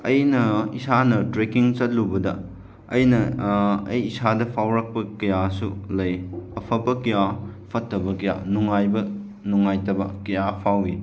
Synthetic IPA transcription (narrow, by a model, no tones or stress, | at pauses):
ɐjnɐisʰanɐtɾekiŋt͡ʃɐt̚lubɐdɐ | ɐjnɐɐjisadɐpʰawɾɐk̚pɐkɐjasulɐjɐpʰɐpːɐkɐjapʰɐtːɐbɐkɐja̰nuŋajbɐ | nuŋːajtɐbɐ̰kɐjapʰawi